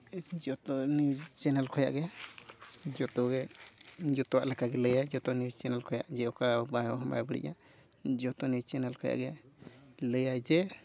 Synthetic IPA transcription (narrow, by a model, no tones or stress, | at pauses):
d͡ʒɔt̪ɔniwd͡ʒt͡ʃɛnɛlkʰɔja̰ʔɡɛ | d͡ʒɔt̪ɔɡɛ | d͡ʒɔt̪ɔwaʔlɛkaɡɛləjajd͡ʒɔt̪ɔniwt͡ʃɛnɛlkɔja̰ʔd͡ʒɛɔkabajɔɦɔma̰jbəɽḭʔa̰ | d͡ʒɔt̪ɔniwt͡ʃɛnɛlkʰɔja̰ʔɡɛ | ləjajd͡ʒɛ